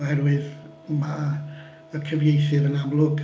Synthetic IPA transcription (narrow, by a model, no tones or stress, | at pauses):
ɔhɛrwɪð | ma | əkʰəvjejθɪvənamlˠʊɡ